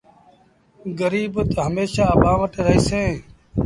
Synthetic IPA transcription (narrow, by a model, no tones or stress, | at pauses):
ɡəɾiːbʊt̪ɦəmeːʃaːəbãːʋəʈeɾəɦiːsẽː